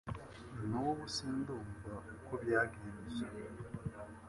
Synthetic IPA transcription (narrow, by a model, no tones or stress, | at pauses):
nowoβusiːnduːmbaukoβjaːɡiːɾiza